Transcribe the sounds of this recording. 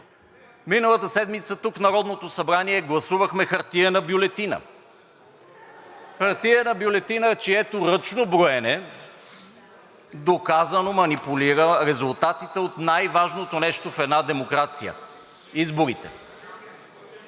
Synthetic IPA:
minəlˠɐt̪əsɛd̪mit̪sət̪uknɐɾɔd̪not̪osɐbɾaniɛɡlˠɐsuvəxmɛxɐɾt̪iənɐbjʊlɛt̪inə̰ | xɐɾt̪iənɐbjolɛt̪inət͡ʃiɛt̪oɾɤt͡ʃnobɾoɛnɛ | d̪okazənomɐnipuliɾəɾɛzulˠt̪at̪it̪ɛot̪najvaʒnot̪onɛʃt̪ofɛd̪nad̪ɛmokɾat̪sijə̰ | izboɾit̪ɛ̰

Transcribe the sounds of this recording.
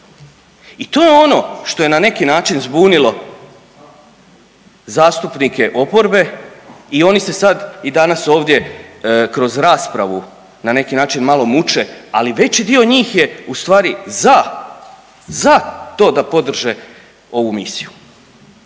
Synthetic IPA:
it̪o̞ːjeo̞no̞ʃt̪o̞jenane̞kinaːt͡ʃinzbuːnilˠo̞ | zaːst̪upnike̞ʔo̞po̞ɾbe̞io̞nise̞sad̪id̪anaso̞ːʋd̪je̞kɾo̞zɾaːspɾaʋu | nane̞kinaːt͡ʃinmalˠo̞mut͡ʃe̞aliʋe̞t͡ɕid̪io̞ɲiːxje̞ust̪ʋaːɾiza | zat̪o̞ːd̪apo̞d̪r̩ʒe̞ | o̞ʋumisiju

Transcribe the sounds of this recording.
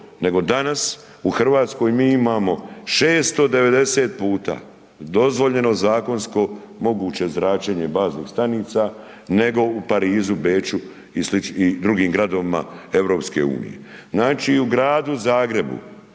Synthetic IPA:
ne̞ɡo̞d̪anas | uxr̩ʋaːt̪sko̞jmiːimaːmo̞ʃeːst̪o̞d̪e̞ʋe̞d̪e̞seːt̪̚puːt̪a̰ː | d̪o̞zʋo̞ʎe̞no̞zaːko̞nsko̞ | mo̞ɡuːt͡ɕe̞zɾaːt͡ʃeɲe̞baːznḭːxst̪aniːt̪sa | ne̞ɡo̞upaɾiːzube̞ːt͡ʃu | isliid̪ɾuɡiːmɡɾad̪oʋima̰e̞ʋɾo̞ːpske̞̰ṵːnḭjḛznaːt͡ʃiːuɡɾaːd̪uzaːɡɾe̞bṵ

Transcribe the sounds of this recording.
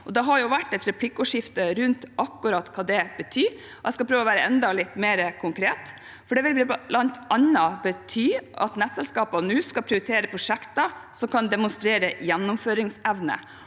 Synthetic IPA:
ʔɔd̪ɛɦɑɾjʊʋæʈːɛt̪ɾɛpʰlɪkːʊʂɪft̪əɾʉnt̪ɑkːʉɾɑt̪kʰɑːd̪ɛbət̪ʰyː | ɔʔɛskɑpɾøːʋɔʋæːɾəɛnd̪ɑlɪt̪ːmeːɾəkʰʊŋkʰɾeːt̪ | fɔɖɛʋɪlblɑnt̪ʔɑnːɑbət̪ʰyːʔɑ̰t̪nɛt̪sɛlskɑːpɑnʉːskɑpʰɾɪʊɾɪt̪ʰeːɾəpʰɾʊʂɛkt̪ɑsɔmkʰɑnd̪ɛmʊnst̪ɾeːɾəjɛnːʊmføːɾɪŋsɛʋnə̰

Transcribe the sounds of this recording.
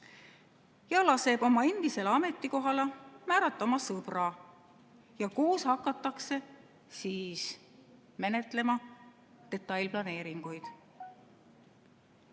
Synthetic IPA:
jɑlɑse̞b̥o̞mɑend̪̥ise̞leɑme̞t̪ˑːiko̞ɦɑlɑmæːɾɑt̪ːˑɑmɑsɤb̥rɑ | jɑkuːshɑkːˑɑt̪ːˑɑkse̞ | siːs | me̞ne̞t̪ˑle̞mɑ | d̪̥e̞t̪ːˑɑjlplɑne̞ːɾiŋɡ̥ujd̪̥

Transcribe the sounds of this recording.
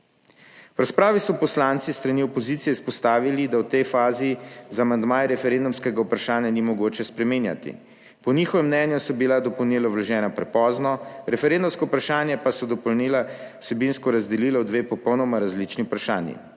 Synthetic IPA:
wɾaspɾaːʋisɔpɔslaːnt̪sist̪ɾaniɔpɔziːt̪sijɛispɔst̪aːʋilid̪awt̪ɛjfaːzizamand̪maːjɾɛfɛɾend̪umskɛɡaupɾaʃaːnjanimɔɡoːt͡ʃɛspɾɛminja̰t̪ḭ | pɔnixɔʋɛmːnɛnjusɔbilad̪ɔpɔwnilɔwlɔʒɛːnapɾɛpɔːznɔɾɛfɛɾend̪umskɔupɾaʃaːnjɛpasɔd̪ɔpɔwnilasɛbinskɔɾazd̪ɛliːlɔwd̪ʋeːpɔpɔwnɔmaɾazlit͡ʃniupɾaʃa̰ːnjḭ

